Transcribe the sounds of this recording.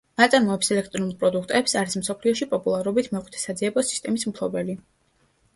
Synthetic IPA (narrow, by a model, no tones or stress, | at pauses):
at̪sʼaɾmɔɛpsɛlɛk̚ʰt̪ʼɾɔnulˠpʼɾɔd̪ukʰt̪ʼɛpsaɾism̩sɔpʰliɔʃipʼɔpʼulˠaɾɔbit̪ʰmɔχʼwit̪ʰɛ̥sad̪ziɛbɔsi̥st̪ʼɛmismpʰlˠɔbɛli